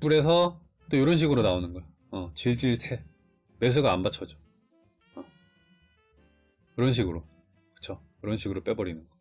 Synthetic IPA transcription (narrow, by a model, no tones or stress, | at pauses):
p͈uɾe̞s̬ʰʌ | t͈ojoɾʌnɕ̬ʰiɡɯɾonaonɯnɡʌj | ʌt͡ɕiɭd͡ʑiɭtʰe̞ | me̞s̬ʰuɡaːnbat͡ɕʰʌd͡ʑo̥ | ʌ | kɯɾʌnɕ̬ʰiɡɯɾo | kɯ̥t͡ɕʰojoɾʌnɕʰiɡɯɾop͈e̞bʌɾinɯnɡʌ